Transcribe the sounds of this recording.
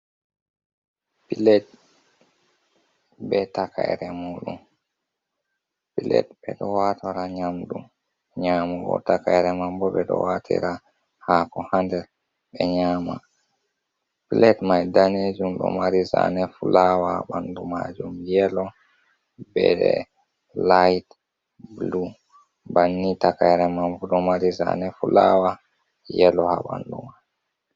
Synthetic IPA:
pilɛt̚ | bɛtakʰa̰jɾɛmuːɗum | pilɛ̰tbɛ̰ɗɔwatʰaɾaɲamɗum | ɲaːmuɡɔ̰takajɾɛmambɔɓɛɗɔ̰watʰɛ̰ɾa | hakɔhandɛɾ | ɓɛɲaːma | plɛtmajdaned͡ʒumɗɔ̰maɾiza̰nɛfulawaha̰ɓandumad͡ʒumjɛlɔ | bɛdɛ | lajt | blu | banːitakajɾɛmambɔɗɔmaɾiza̰nɛfulawa | jɛlɔhaɓanduma

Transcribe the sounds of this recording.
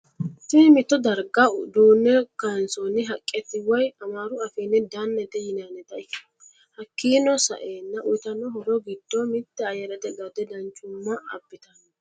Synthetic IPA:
t̪ɪmɪt̪ːɔd̪ɐɾɡɐd̪uːnːɛkansɔnɪɦɐkʼːɛt̪ːɪwɐjɐmaːɾʊɐfeːnːɛd̪anːɛt̪ɛjɪnaːnɛt̪ɐɪ | hɐkːiːnɔsɐ̰ʔeːnːɐʔʊjt̪ɐnːɔɦɔɾɔɡɪd̪ːɔmɪt̪ːɛɐjɐɾɐt̪ɛɡɐd̪ɛd̪ɐnt͡ʃʼːʊmːɐɐbːɪt̪ɐn

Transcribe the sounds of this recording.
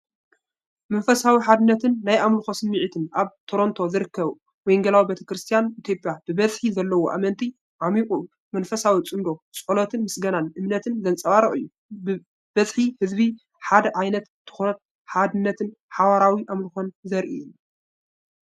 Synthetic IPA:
mɐnfɐsawiħad̪ɨnːɐt̪ʰɨnːajʔamlɨxo̞sɨmːiʕit̪ʰɨnʔaβt̪ʰo̞ɾo̞nt̪ʰo̞zɨɾɨkːɐβ | wɔjŋɡɐlawibet̪ʰɐkɾɨst̪ʰijanit̪ʰjo̞pʼjab̥ɨbɐzħizɐlːɐwoʔa̰mɐnt̪ʰi | ʕamikʼu | mɐnfɐsawit͡sʼɨnd̪o̞t͡sʼolot̪ʰɨnmɨsɡɐnanʔɨmnɐt̪ʰɨnzɐnt͡sʼɐβaɾɐχʼɨ̰jːu | b | bɐzħihɨzbi | ħad̪ɐʕajnɐt̪ːʰɨ̥xoɐt̪ | ħad̪ɨnːɐt̪ʰɨnħawaɾawiʔamlɨxonzɐɾʔijun

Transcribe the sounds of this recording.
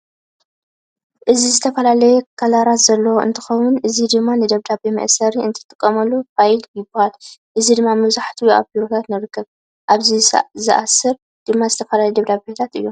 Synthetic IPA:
ʔɨzizɨt̪ʰɐfɐlalɐjɛkʰɐlaɾat̪z̥ɐlːɐwɨ̰nt̪ʰɨ̥xɐwʊnʔɨzid̪ɨmːanɨd̪ɐβd̪abemɐ̰ʔsɐɾiɨ̰nt̪ʰɨ̥t̪ʼɨkʼːɐmɐlːufajljɪbɐhalʔɨzid̪ɨmːamɐβzaħt̪ʰujʔa̰βiɾot̪ʰat̪nɨɾɨkʰːɐβ | ʔaβzizɨʔasːɨɾ | d̪̥ɨmːazɨt̪ʰɐfɐlalɐjd̪ɐβd̪abbet̪ʰat̪ɨjːo

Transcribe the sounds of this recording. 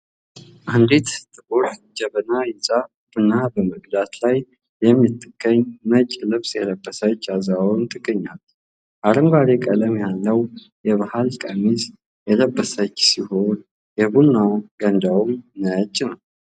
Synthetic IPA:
ʔand̪et̪t̪ʼɨboɾd͡ʒɛβənajɪt͡sʼa | bɨnːabəməɡd̪at̪laj | jɛmːit̪ʼːɨɡ̥ːəɲːmət͡ʃʼlɨβsjɛləbːəsət͡ʃːazawnt̪ʰʼɨɡːəɲːal | ʔaɾəŋɡʷaɾekʼələmjalːəw | jɛβahalkʼəmis | jɛləbːəsət͡ʃːsiho̞n | jɛbunːawɡənd̪awumnət͡ʃːnəw

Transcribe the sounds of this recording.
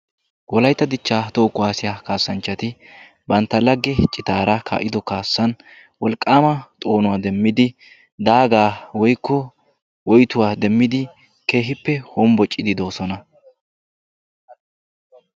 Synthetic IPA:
wɔlɐjt̪ːɐd̪ɪt͡ʃːaːt̪oːkʼʊwaːsɪjaːkaːsːɐnt͡ʃːɐt̪ɪ | bɐnt̪ːɐlɐɡːɛt͡ʃʼːɪt̪aːɾɐkʰa̰ːʔɪd̪ɔkaːsːɐn | wɔlkʼːaːmɐt̪ʼo̞ːnʊwaːd̪ɛmːɪd̪ɪ | d̪aːɡaːwɔjkːɔ | wɔjt̪ʊwaːd̪ɛmːɪd̪ɪ | ke̞ːɦɪpːɛhoːmbɔt͡ʃʼːɪd̪ɪd̪o̞ːsɔnɐ

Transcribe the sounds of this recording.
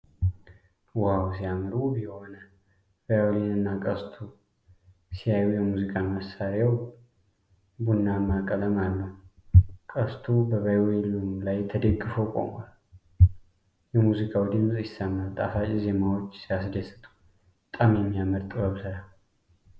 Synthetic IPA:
wawsijamɨɾubiho̞na | bajwelinɨnːakʼəst̪ʰu | sijajujɛmuzikʼaməsaɾjaw | bunːamakʼələmalːəhukʼəst̪ʰubəβajwelunlajt̪ʰəd̪əɡːɨfəwkʼo̞̰ma̰l | jɛmuzikʼawd̪ɨmsʼjɪsːəmːalt̪ʼafat͡ʃʼize̞mawot͡ʃːsijasd̪əsɨ̥t̪ʼu̥ | t̪ʼamjɛmːijaməɾt̪ʼɨaβsəɾa

